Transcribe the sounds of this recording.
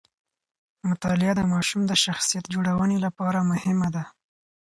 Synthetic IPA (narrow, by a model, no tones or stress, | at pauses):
mʊt̪ɑlɪad̪əmɑʃumd̪əʃaxsijat̪̚d͡ʒoɽawənelapɑɾamʊhɪmad̪a